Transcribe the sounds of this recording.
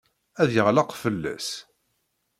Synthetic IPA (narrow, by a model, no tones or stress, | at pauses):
æðjəʁlɑqfəlːæ̰s